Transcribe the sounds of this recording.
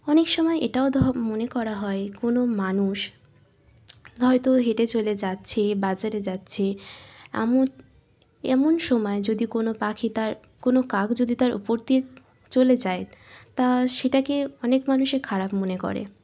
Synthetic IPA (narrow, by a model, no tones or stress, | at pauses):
ɔnekʃɔmɔeʔeʈaod̪ʱɔmonekɔɾaɦɔekonomanuʃ | ɦɔet̪oɦeʈet͡ɕoled͡ʑatːɕʰebad͡ʑaɾed͡ʑatːɕʰea̰mo | ɛmonʃɔmɔed͡ʑod̪ikonopakʰit̪aɾ | konokaɡd͡ʑod̪it̪aɾʔṵpoɾt̪i | t͡ɕoled͡ʑaet̪aʃeʈakeɔnekmanuʃeɾkʰaɾapmonekɔ̰ɾḛ